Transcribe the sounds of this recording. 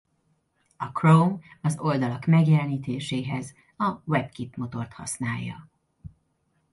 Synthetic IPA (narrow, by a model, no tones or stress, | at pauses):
ɒkrowmɒzo̞ld̪ɒlɒkmɛɡjɛlɛniːt̪eːʃeːɦɛz | ɒwɛbkipmo̞t̪o̞rt̪hɒ̰snaːjːɒ̰